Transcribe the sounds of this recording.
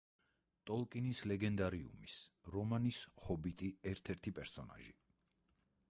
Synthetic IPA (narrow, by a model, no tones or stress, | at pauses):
t̪ʼɔlˠkʼinislɛɡɛnd̪aɾiṵmisɾɔmanishɔbit̪ʼiɛɾt̪ʰɛɾt̪ʰipʼɛɾsɔna̰ʒḭ